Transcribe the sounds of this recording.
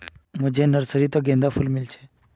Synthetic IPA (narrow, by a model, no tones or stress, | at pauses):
m̤əd͡ʑʱenəɾsəɾit̪əɡẽnd̪afuːlmilt͡ɕe